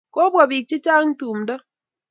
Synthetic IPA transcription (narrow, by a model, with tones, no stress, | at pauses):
ko˦bwɔ˨bi˨k̚t͡ʃɪ˦t͡ʃa˦ŋtu˨mdɔ˦